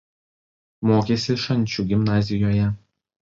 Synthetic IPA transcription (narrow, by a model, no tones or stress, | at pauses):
moːkʲeːsʲɪʃɐnʲˑt͡ʃʲuːɡʲɪmnɑːzʲɪjoːjɛ